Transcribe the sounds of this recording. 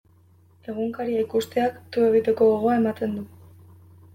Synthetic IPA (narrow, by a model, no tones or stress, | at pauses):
e̞ɣ̞uŋkaɾiaikust̪e̞akt̪ue̞ɣ̞it̪e̞ko̞ɣoɣ̞oae̞mat̪e̞nd̪u